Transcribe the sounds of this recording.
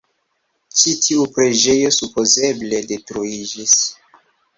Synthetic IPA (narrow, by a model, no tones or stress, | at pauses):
t͡ʃitʰiupɾe̞d͡ʒe̞jo̞supo̞ze̞ble̞de̞tɾuid͡ʒis